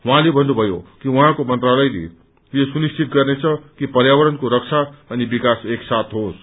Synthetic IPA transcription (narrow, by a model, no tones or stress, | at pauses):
wuɦãlebʱʌnːubʱʌjo̰kiwũɦãkomʌnt̪ralʌjlḛ | jesunist͡sit̪̚ɡʌrnet͡sʰʌkipʌɾjawʌɾʌnkoɾʌkt͡sʰaʌnibikaseksat̪ʰɦos